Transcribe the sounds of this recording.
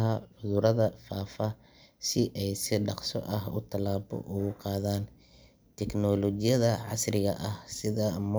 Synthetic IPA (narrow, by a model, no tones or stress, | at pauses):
ɦɐʕʊðʊɾɐðɐfaːfɐ | sɪʔɛjsɪɖɑqsɔ̰ʔɐɦʊ̰t̪ʰɐlaːbɔ̰ʔʊɣʊqɑːðaːn | t̪ʰɛknɔlɔt͡ʃɪjɐðɐʕɑ̰srɪɣɐʔɐhsɪðɐm